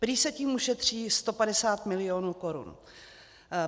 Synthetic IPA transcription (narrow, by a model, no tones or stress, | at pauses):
pɾiːsɛciːmuʃɛt̪r̝̥iːst̪o̞padɛsaːt̪mɪlɪonuːko̞ɾṵn